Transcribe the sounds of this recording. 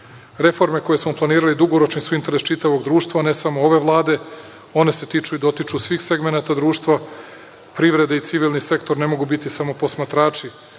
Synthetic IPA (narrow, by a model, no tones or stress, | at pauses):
ɾe̞fo̞ɾme̞ko̞je̞smo̞plˠaniːɾalid̪uɡo̞ɾo̞t͡ʃnisuint̪eɾe̞st͡ʃit̪aʋo̞ɡd̪ɾuːʃt̪ʋane̞samo̞oʋe̞ʋlˠaːd̪e̞ | o̞ne̞se̞t̪it͡ʃuid̪ot̪it͡ʃusʋiːxse̞ɡmenat̪ad̪ɾuːʃt̪ʋa | pɾiʋɾe̞d̪eit̪siʋilˠnise̞kt̪o̞ɾne̞mo̞ɡubit̪isamo̞po̞smat̪ɾaːt͡ʃi